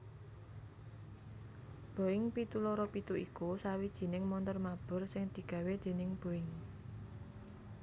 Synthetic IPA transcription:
b̥o̤ɪŋpit̪ulɔɾɔpit̪uʔikusawid̥ʒ̥i̤nɪŋmɔnt̪ɔrmab̥ʊ̤rsɪŋd̪̥i̤ɡ̥ä̤wed̪̥e̤nɪŋb̥o̤ɪŋ

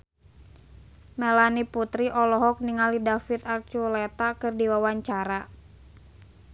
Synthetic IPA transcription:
mɛlaniput̪ɾiʔɔlɔɦɔk̚niŋalidafit̪ak̚t͡ʃulɛt̪akɨrdiwawaɲt͡ʃaɾa

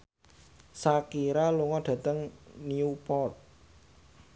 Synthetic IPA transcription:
sakiɾaluŋɔɖ̥ä̤t̪əŋniupɔt̪̚

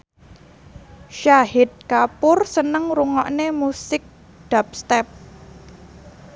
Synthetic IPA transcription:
ʃaɦɪt̪̚kapʊrsənəŋruŋɔʔnemusɪk̚ | d̪̥a̤p̚st̪ɛp̚

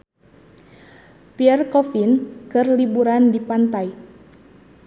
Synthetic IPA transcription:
piɛrkɔfinkɨrlibuɾandipant̪aj

